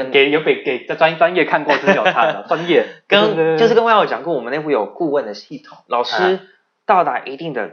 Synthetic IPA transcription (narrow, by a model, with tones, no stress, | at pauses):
ke˨˩ɪjo˧˥ʊpe˨˩ɪke˨˩ɪ˥˩t͡swa˥nt͡swa˥njɛ˥˧kʰa˥˧nkwɔ˥˧ʂ̩˥˩jɑ˨˩a˥d̪ə˨˩t͡swa˥njɛ˥˩kə˥no˥˧ʂ̩˥kə˥wɔ˧˩t͡ɕɑ̰˨˩ŋkə˥nwɔ˨˩mə˦ne˥˧pu˥˩jo˨˩ʊku˥˧wə˥˩nd̪ə˩ɕi˥˩t̪ʰʊ˨˩˦ŋlɑ˨˩ʊʂɻ̩˥ | t̪ɑ˥˩ʊt̪a˧˥ʔi˧˥t̪i˥˩ŋd̪ə̰˩